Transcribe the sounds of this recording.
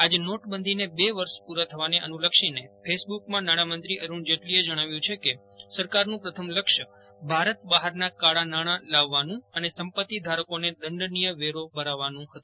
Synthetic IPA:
ad͡ʒnoʈbənd̪ʱinebeʋəɾʃpuɾat̪ʰəʋaneʔə̰nuləkʃinepʰesbukmãnaɽ̃amənt̪ɾiʔəɾuɳd͡ʒeʈlied͡ʒəɽ̃aʋjũt͡ʃʰeke | səɾkaɾnũpɾət̪ʰəmləkʃə | bʱaɾət̪̚baɦaɾnakaɽanaɽ̃ãlaʋːanũənesəmpət̪ːid̪ʱaɾəkoned̪əɳɖnijəʋeɾobəɾaʋːanũɦət̪ũ

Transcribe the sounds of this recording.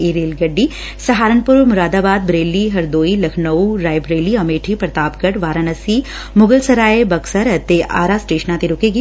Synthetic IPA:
iɾeːlɡɐɖːi | sɐɦaːɾənpʊɾmʊɾaːd̪aːbaːd̪̚bɾeːlːiɦɐɾd̪oːilɐkʰnɐuɾaːjbɾeːliɐmeːʈʰipɾɐt̪aːpkɐʈʋaːɾanɐsi | mʊɡəlsɐɾaːebɐksɐɾɐt̪ːeʔa̰ːɾasʈeːʃənãt̪eɾʊkeːɡi

